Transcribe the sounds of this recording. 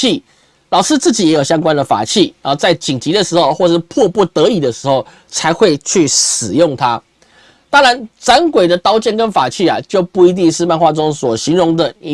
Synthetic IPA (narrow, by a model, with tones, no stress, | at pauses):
i˥˩ | lɑ˨˩ʊʂɻ̩˥t͡sɹ̩˥˩t͡ɕi˨˦jɛ˧˥jo˨˩ʊɕja˥ŋkwa˦nd̪ə˨fa̰˨˩t͡ɕʰi˥˩ə˨˩t͡sa˥˩ɪt͡ɕi˨˩ŋt͡ɕi˨˥d̪ə˨ʂɻ̩˧˥xo˥˧ʊxwɔ˥˧ʂɻ̩˥˧pʰɔ˥˧pu˥˩t̪ɤ˧˥i˨˩d̪ə˦ʂɻ̩˧˥xo˥˩ʊ | t͡sʰa˧˥ɪxwe˥˧ɪt͡ɕʰy˥˩ʂɻ̩˨˩jʊ˥˩ŋt̪ʰa˥ | t̪ɑ˥ŋɻa˧˦nt͡sa˧˦nkwe˨˩ɪd̪ə˨t̪ɑ˥ʊt͡ɕjɛ˥˨nkə˦˥nfa˨˩t͡ɕʰi˥˩a̰˩t͡ɕjo˥˧ʊpu˥˩i˧˥t̪̬i˥˧ŋʂɻ̩˥˧ma˥˧nxwa˥˩ʈ͡ʂʊ˦ŋswɔ˨˩ɕi˧˥nɻʊ˧˥ŋd̪ə˨i˧˦